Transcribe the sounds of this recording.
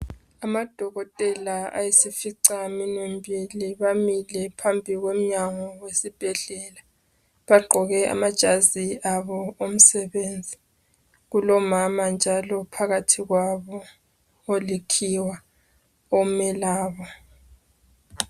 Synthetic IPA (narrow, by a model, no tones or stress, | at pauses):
amad̥ʱɔɣɔtʼɛlaa̰jesifiǀaminwembʱiliβamilɛpʰambʱiɣwem̩ɲaŋɔwesib̥ʱɛɮɛla | βaɡ͡ǃʱɔɣɛʔa̰mad̥ʒ̥ʱaziaβɔom̩sɛβend͡zʱi | ɣulɔmamand͡ʒʱalɔpʰaɣatʰiɣwaβɔ | olikʰiwa | ɔmɛlaːβɔ